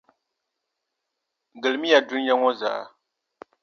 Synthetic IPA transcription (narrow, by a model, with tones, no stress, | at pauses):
ɡɨ˨lɨ˨mi˦ja˨dʊ˦n˦ja˦ŋɔ˦za̰ː˨ʔ